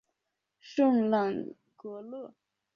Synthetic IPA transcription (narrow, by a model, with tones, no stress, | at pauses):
ʂə˥˨ŋlɑ˨˩ŋ | kɤ˧˥lɤ˥˩˨